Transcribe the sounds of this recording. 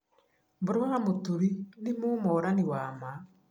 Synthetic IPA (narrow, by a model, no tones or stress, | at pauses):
mboɾwaamotuɾinimumɔːɾaniwaːma